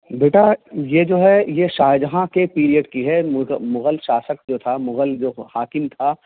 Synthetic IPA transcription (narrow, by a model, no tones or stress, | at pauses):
beːʈajed͡ʒoːɦɛjeʃaːɦɪd̪ɦãkepiːɾijəɖkiɦɛmʊmʊɣəlʃaːsək̚d͡ʒoːt̪ʰamʊɣəld͡ʒoːhaːkɪnt̪ʰa